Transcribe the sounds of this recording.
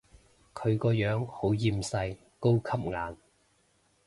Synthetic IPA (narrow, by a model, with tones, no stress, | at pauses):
kʰɵ˨˧ɥkɔː˧jœː˨˥ŋho˨˥wjiː˧msɐ˧j | ko˥wkʰɐ˥p̚ŋaː˨˧n